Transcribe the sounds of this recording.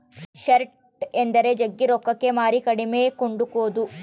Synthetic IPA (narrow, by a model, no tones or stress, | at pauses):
ʃɐɾʈ | end̪ɐɾe̞d͡ʒɐɡːiɾɔkːɐkːe̞maːɾikɐɽimeːkoɳɖukoːd̪u